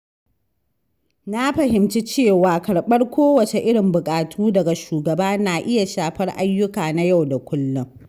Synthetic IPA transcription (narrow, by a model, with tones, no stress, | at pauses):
na˦ɸɐ˨ɦɪ˨mt͡ʃi˦t͡ʃeː˦˨waː˨kɐ˨ɽɓɐ˦rkʷʰoː˦wɐ˨t͡ʃe˨ʔɪ˦ɽɪ˨mbʊ˨kʼaː˨tʰuː˦dɐ˨ɡa˨ʃuː˨ɡɐ˨baː˦naː˨ʔɪ˦ja˨ʃaː˨ɸɐ˦rʔa˦jːʊ˦kaː˨na˦ja˦˨wda˨kʷʊ˦lːʊ˦ŋ